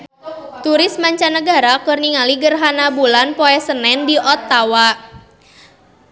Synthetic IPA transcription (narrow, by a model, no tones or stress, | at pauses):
t̪uɾɪsmaɲt͡ʃanəɡaɾakɨrniŋaliɡərɦanabulanpoɛsənɛndiʔɔt̪ːawa